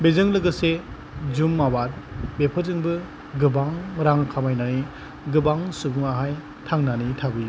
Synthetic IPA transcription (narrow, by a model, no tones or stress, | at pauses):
bezɯŋlɯɡɯse | d͡ʒumːawaɾ̚bepʰəzɯŋbɯ | ɡɯbaŋɾaŋkʰamajnaŋi | ɡɯbaŋsubuŋaɦaj | tʰaŋnanitʰabɯj